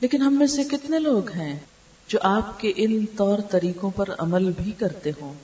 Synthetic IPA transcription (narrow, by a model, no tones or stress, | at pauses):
leːkɪnɦɐmːẽsekɪt̪neloːɡɦɛ̃ː | d͡ʒoːʔaːp̚keʔɪnt̪ɔːɾt̪ɐɾiːkõpɐɾɐ̰məlbʱikɐɾt̪eɦõː